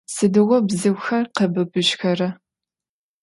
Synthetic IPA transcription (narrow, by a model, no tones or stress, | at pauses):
sɨdɨʁʷɔbzɨwʷxɐrqəbɨbɨɕxɐrɐ